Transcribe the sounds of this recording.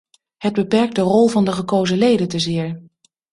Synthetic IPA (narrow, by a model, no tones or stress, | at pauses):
ɦəd̚bəpɛɹk̚dərɔlˠvɑndəχəkowzəlejdəntəzɪːɹ